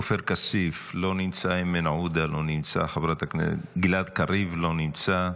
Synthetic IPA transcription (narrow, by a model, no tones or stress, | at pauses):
ofeɾkasiflo̞nimt͡saimenʕud̪alo̞nimt͡sa̰χavʁat̪aknḛɡilad̪kaɾivlo̞nimt͡sa